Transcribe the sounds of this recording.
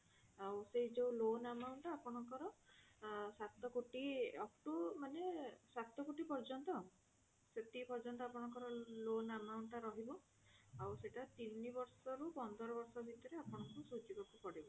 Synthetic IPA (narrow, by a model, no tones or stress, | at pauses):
awseɦid͡ʒewlonamawɳʈapɔɽ̃ɔŋkɔɾɔ | sat̪ɔkoʈiɔk̚ʈumanesat̪ɔkoʈipɔɾd͡ʒɔnt̪ɔ | set̪ipɔɾd͡ʒɔnt̪̬ɔapɔɽ̃ɔŋkɔɾɔlonamawɳʈaɾɔɦibɔ | awseʈat̪inibɔɾsɔɾupɔnd̪ɔɾɔbɔɾsɔbʱit̪ɔɾeapɔɽ̃ɔŋkusud͡ʒibɔkupɔɽibɔ